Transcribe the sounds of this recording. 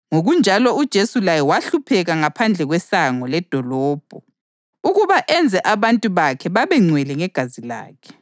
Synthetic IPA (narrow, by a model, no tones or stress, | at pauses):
ŋoɣund͡ʒʱalɔud̥ʒ̥ʱesulajɛwaɬupʰɛɣaŋapʰand͡ɮʱɛɣwɛsaŋɔlɛd̥ʱɔlɔːb̥ʱɔ | uɣuβaʔɛnd͡zʱɛʔaβantʼuβakʰɛβaβɛŋ͡ǀʱwɛlɛŋɛɡ̥ʱazila̰ːkʰɛ̥